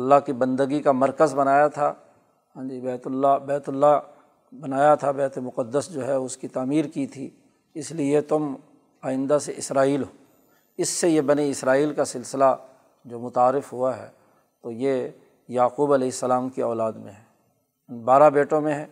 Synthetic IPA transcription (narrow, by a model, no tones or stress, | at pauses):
ɐlːaɦkibɐ̃nd̪əɡikamɐɾkəzbɐnaːjat̪ʰa | ɦãːd͡ʒibɛːt̪ʊlːabɛːt̪ʊlːa | bɐnaːjat̪ʰabɛːt̪emʊqəd̪ːəsd͡ʒoːɦɛʊskit̪aːmiːɾkit̪ʰḭː | ɪsliet̪ʊm | aːɪ̃nd̪aseʔɪsɾaːiːlɦoː | ɪsːejebɐniɪsɾaːiːlkasɪlsɪla | d͡ʒoːmʊt̪aːɾːɪfɦuaɦɛ̰ː | t̪oje | jaːquːbɐleːɪsːəlaːmkiɔːlaːd̪mḛ̃ɦɛː | nbaːɾabeːʈõmẽɦɛ̃ː